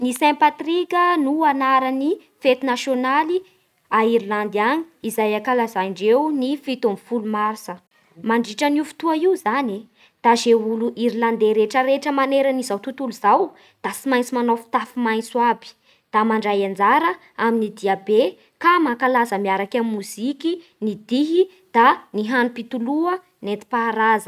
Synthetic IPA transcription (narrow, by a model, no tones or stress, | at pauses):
nisɛ̃pat̪rikʲənuanaɾəni | fet̪unasjonali | aiɾiland̪aɲi̥izajakalazaɳɖ͡ʐewnifit̪omifulumaɾsə | maɳɖ͡ʐiʈ͡ʂənufu̥t̪uaiuzani | d̪̥azeuluʔiɾiland̪eɾeʈ͡ʂəɾeʈ͡ʂəmaneɾənizawt̪ut̪uluz̥aw | d̪̥asimajnt͡simanofi̥t̪afimajnsuabi̥ | d̪̥amaɳɖ͡ʐajand͡zaɾə | aminid̪iabe | kamakalazəmiaɾakammuziki | nid̪iɦi | d̪̥aniɦanupit̪uluə | net̪i̥paɾazə